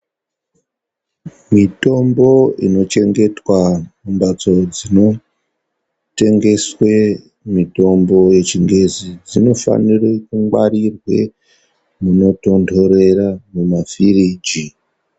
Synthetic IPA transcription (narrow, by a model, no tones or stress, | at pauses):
mito̞mbo̞ḭno̞t͡ʃe̞ŋɡe̞twamumbad͡zo̞d͡zino̞ | te̞ŋɡe̞swe | mito̞mbo̞je̞t͡ʃiŋɡe̞zid͡zino̞fa̰nirekuŋɡwaɾirwe̞̰ | muno̞to̞ndʰʱo̞ɾe̞ramumafiriːd͡ʒi